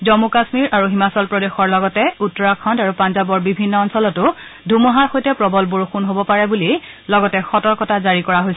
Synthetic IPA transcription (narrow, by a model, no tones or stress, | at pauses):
zɔmukasmiɹʔaɹuɦimasɔlpɹɔdexɔɹlɔɡɔtɛutːɔɹakʰɔntaɹupanzabɔɹbibʱinːɔɔnsɔlɔtʊdʱumɔɦaxojtɛpɹɔbɔlboɹuxunɦobɔpaɹɛbuli | lɔɡɔtɛxɔtɔɹkɔtazaɹikɔɹaɦojsɛ